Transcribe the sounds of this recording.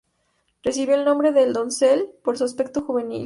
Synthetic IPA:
resiβjoelnombɾe̞ðeːld̪o̞nselpoɾs̬uaspe̞k̚t̪oxuβe̞nḭl

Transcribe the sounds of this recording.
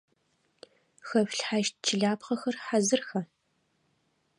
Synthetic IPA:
xɐfɬħaʃt̚t͡ʃʰɪɮaːpqɐxɐrħazɨrxɐ

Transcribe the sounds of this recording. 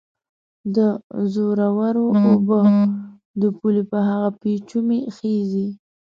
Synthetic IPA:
d̪əzoɾawaɾoobə | d̪əpulepəɦaɣapet͡ʃumexezi

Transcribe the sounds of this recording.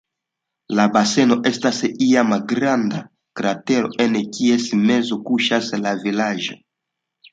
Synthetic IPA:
labase̞no̞ʔe̞stasiamalɡɾanda | kɾate̞ɾo̞̰ʔenkie̞sme̞zokuʃaslavilaʒo

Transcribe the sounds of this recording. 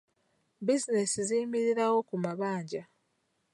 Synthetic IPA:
bizinesiziːmiɾiɾawo̞kumaβaːɲɟa

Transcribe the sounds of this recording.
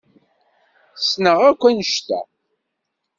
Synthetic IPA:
snəʁækʷːænəʃt̪æ̰

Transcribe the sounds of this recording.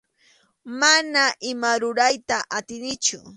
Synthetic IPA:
manaʔɪmaɾʊɾajt̪aʔat̪ɪnɪt͡ʃʊ̰

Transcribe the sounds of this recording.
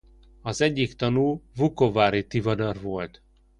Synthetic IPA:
ɒzɛɟːikt̪ɒnuːvukovaːɾit̪ivɒd̪ɒrvo̞lt̪

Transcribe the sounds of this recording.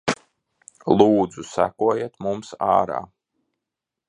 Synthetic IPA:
lˠuːd̪zusæ̰kuɔjet̪mumsa̰ːɾa̰ː

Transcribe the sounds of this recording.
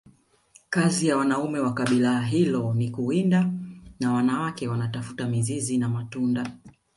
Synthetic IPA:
kazijawanaumɛwakaɓilaːɦilɔnikuindanawanawakɛwanatafu̥tamizizinamatunda

